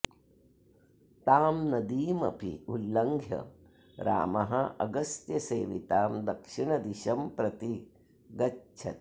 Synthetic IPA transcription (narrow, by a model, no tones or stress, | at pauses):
t̪aːmnɐd̪iːmɐ̰pḭulːɐŋɡʱjɐ̰ | ɾa̰ːmɐɦɐʔɐɡɐst̪jɐseːʋit̪aːmd̪ɐkʂiɳɐd̪iʃɐmpɾɐt̪i | ɡɐtːt͡ʃʰɐt̪